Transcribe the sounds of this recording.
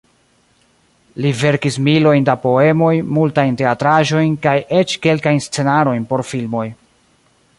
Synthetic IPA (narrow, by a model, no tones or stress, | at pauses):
live̞ɾkismilo̞jndapo̞e̞mo̞jmultajnte̞atɾaʒo̞jnkajʔe̞t͡ʃke̞lkajnst͡se̞naɾo̞jnpo̞ɾfilmo̞j